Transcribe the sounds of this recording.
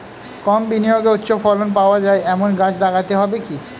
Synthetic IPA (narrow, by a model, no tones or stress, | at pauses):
kɔmbinijoɡeut̪ːɕʰofɔlonp̬aoad͡ʑaeɛmonɡat͡ɕd̪aɡʰat̪eɦɔbeki